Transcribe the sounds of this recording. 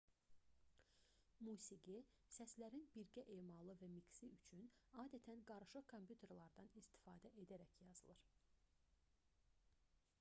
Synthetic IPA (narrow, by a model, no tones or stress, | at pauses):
muːsiɡi | sæslæɾinbiɾɟæʔe̞mɑlˠɯvæmiksiyt͡ʃʰynɑːd̪æt̪ʰænɡɑɾɯʃɯkʰo̞mpʰjut̪ʰe̞ɾlˠɑɾd̪ɑnist̪i̥fɑːd̪æʔe̞d̪æɾæçjɑzɯlˠɯɾ